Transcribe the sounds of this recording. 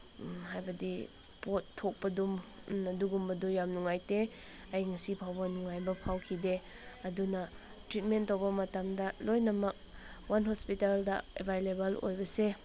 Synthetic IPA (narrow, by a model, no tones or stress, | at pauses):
ɦajbɐdi | potʰːok̚pɐdum | ɐduɡumbɐdujamnuŋajte | ɐjŋɐsipʰawbɐnuŋajbɐpʰawkʰide | ɐdunɐ | tɾit̚mentːowbɐmɐtamdɐlojnɐmɐk̚ | wanɦospitaldɐ̰ḛbʱajlebɐlo̰jbɐse